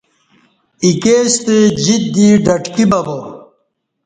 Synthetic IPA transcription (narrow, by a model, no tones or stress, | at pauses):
ikeːst̪ed͡ʑit̪̚d̪iːɖɐʈkibɐbo